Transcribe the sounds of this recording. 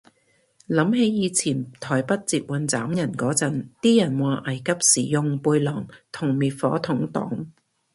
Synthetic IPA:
lɐ˨˥mhe˨˥jːiː˨˧t͡sʰiː˨˩nt̪ʰɔː˨˩jpɐ˥t̚t͡siː˧p̚wɐ˨nt͡saː˨˥mjɐ˨˩nkɔː˨˥t͡sɐ˨˥nt̪iː˥jɐ˨˩nwaː˨˩ʔɐ˨˩jkɐ˥p̚siː˨˩jʊ˨ŋpuː˧jlɔː˨˩ŋt̪ʰʊ˨˩ŋmiː˨˩t̚fɔ̰ː˨˥t̪ʰʊ˨˥ŋt̪ɔ̰ː˨˥ŋ

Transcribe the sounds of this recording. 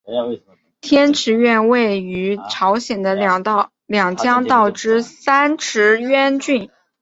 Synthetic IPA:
t̪ʰjɛ˥nʈ͡ʂʰɻ̩˧˥ɥɛ˥˧nwe˥˩ɪy˧˥ʈ͡ʂʰɑ˧˥ʊɕjɛ˨˩nd̪ə˦ | ljɑ˨˩ŋt͡ɕjɑ˥ŋt̪ɑ˥˩ʊʈ͡ʂɻ̩˥sa˥nʈ͡ʂʰɻ̩˧˥ɥɛ˥nt͡ɕy˥˩n

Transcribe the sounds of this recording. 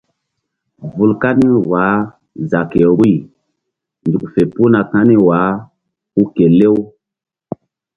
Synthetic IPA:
vu˨lka˦ni˦wa˨˦ | za˨ke˨ɾi˦˨ | ndu˨kfe˨pu˦na˨ka˦ni˦wa˨˦ | u˦ke˨le˦w

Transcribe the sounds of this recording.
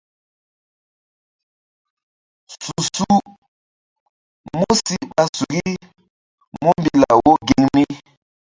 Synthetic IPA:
su˨su˦ | mo˦si˨ɓa˨su˨ɡi˦ | mo˦mbi˦la˨wo˦ɡe˨ŋmi˦

